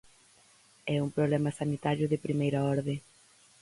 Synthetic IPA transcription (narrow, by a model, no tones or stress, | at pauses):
ɛumpɾoβlɛmɐsanit̪aɾjʊðɪpɾimejɾaɔɾðe